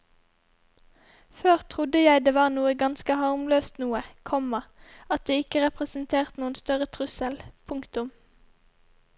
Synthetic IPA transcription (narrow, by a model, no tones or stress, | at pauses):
føːʁt̪ʰʁʊd̪əjæɪd̪eːʋɑːʁnuːəɡɑnskəhɑʁmløːst̪nuːəkʰɔmɑɑt̪̚d̪eːɪkəʁɛpʁɛsnt̪ʰeːʁt̪nuːənst̪œʁət̪ʰʁʉsəlpʰʊŋkt̪ʊm